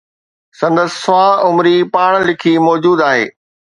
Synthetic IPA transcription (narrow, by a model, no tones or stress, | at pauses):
sɐ̃nd̪əsːʊʋãʊmɾipaːɽ̃lɪkʰimɔːd͡ʑuːd̪aːɦḛː